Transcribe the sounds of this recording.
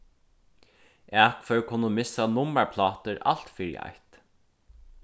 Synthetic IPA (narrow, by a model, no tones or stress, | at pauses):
ɛːkfœɥkʰʊnːəmɪsːanʊmaɹpʰlɑːt̪əɾa̰l̥t̪fiːɾj̰a̰jht̪